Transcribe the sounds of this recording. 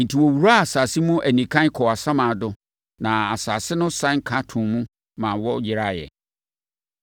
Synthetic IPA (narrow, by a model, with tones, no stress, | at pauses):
n̩˨tʰi˨wɔ˨wu˨ɾa˦a˨saː˨si˦mũ˦ʔæ˨nĩ˨kʰã˦n˦kʰɔ˨a˨sã˦mã˨dʊ˦ | nã˨a˨saː˨sɪ˦nʊ̃˦sã˦ŋ̩˦kʰã˦tʰũ˨mũ˦ | mã˨wɔ˦jɪ˨ɾa˦jɛ̰˨